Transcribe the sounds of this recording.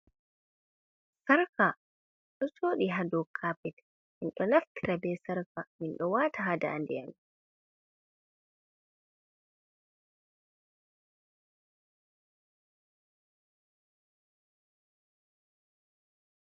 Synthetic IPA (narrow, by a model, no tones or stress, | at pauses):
saɾka | ɗɔsoːɗiɦadɔkʰaːpɛt | minɗɔnaftiɾabɛsaɾkaminɗɔwaːtaɦada̰a̰ndɛjam